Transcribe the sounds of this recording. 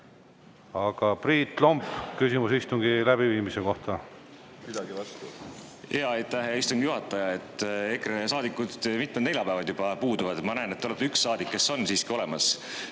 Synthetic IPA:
ɑɡ̥ɑpriːt̪ːˑlombkysimusist̪uŋɡilæb̥iviːmiseko̞ht̪ɑ | mid̪̥ɑɡivɑst̪u | heɑjt̪ːæɦist̪uŋɡ̥ijuɦɑt̪ːˑɑjɑe̞t̪ːˑekresɑːd̪ikːˑud̪̥mit̪med̪ne̞lʲjɑpæːvɑd̪̥jub̥ɑpuːd̪uvɑd̪mɑnæenet̪ːeolet̪ːyksːɑːd̪̥ikːe̞sːo̞nsiːskio̞lɛmɑs

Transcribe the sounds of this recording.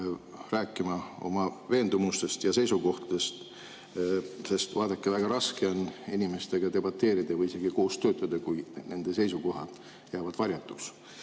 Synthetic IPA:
ræːkˑːimɑo̞̰mɑve̞ːnd̪̥umust̪e̞st̪jɑse̞jsuɡo̞ht̪ɑd̪̥e̞st̪ | se̞st̪vɑːd̪̥ɑkːevæɡ̥ɑɾɑske̞o̞ninime̞st̪e̞ɡ̥ɑt̪e̞bɑt̪ːe̞ːɾid̪evɯjise̞ɡiko̞ːst̪ø̞ːt̪ːˑɑd̪̥ekujne̞nd̪̥e̞se̞jsuko̞ɦɑ̰d̪̥ | jæːvɑd̪̥vɑɾjɑt̪ːˑuks

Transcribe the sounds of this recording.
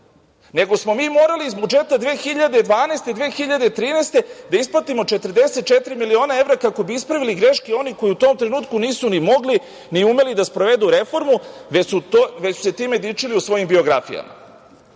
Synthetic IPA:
ne̞ɡo̞smo̞miːmo̞ːɾaliːzbud͡ʒe̞t̪ad̪ʋeːxiʎad̪ed̪ʋaːneːst̪e̞d̪ʋeːxiʎad̪et̪ɾiːneːst̪e̞d̪aisplat̪imo̞t͡ʃe̞t̪əɾd̪eset̪̚t͡ʃe̞t̪ɾimilio̞ːnae̞vɾakako̞biispɾaʋiliɡɾe̞ʃkeo̞niko̞jiut̪o̞ːmt̪ɾenuːt̪kuniːsunimo̞ɡli | niume̞lid̪aspɾo̞ʋe̞d̪uɾe̞fo̞ɾmu | ʋet͡ɕsu̥se̞t̪iːme̞d̪it͡ʂiliusʋo̞jimbio̞ɡɾa̰fḭja̰ma̰

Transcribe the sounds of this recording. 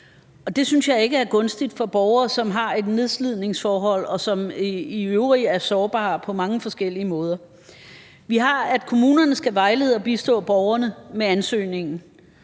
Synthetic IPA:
ɒ̽d̥e̝synsjɑ̈ɪe̝ɡ̥əæɐɡ̥ɔ̽nsd̥id̥fɒ̽b̥ɒʊɐːsɒ̽mɦɑ̈e̝d̥ne̝ðˠslið̞̰ˠne̝ŋsfɒːɦɒ̽l̰ɒ̽sɒ̽miøʊʁiæɐsɒːb̥ɑ̰̈ːpʰɒ̽mɑ̈ŋəfɒ̽sɡ̥el̰iəmɔ̽ːð̞ˠɐ | ʋiɦɑ̈æd̥kʰo̝muːnɐnəsɡ̥æʋɑ̈ɪleð̩ˠɒ̽b̥isd̥ɔ̰̽ːb̥ɒʊɐnəmeænsø̰ːne̝ŋn̩

